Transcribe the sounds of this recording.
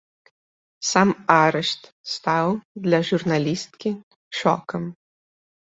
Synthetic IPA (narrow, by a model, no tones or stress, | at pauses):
samaɾɛʂt̪ | st̪awd̪lʲɐʒurnɐlʲist̪kʲi | ʃɔ̰kɐm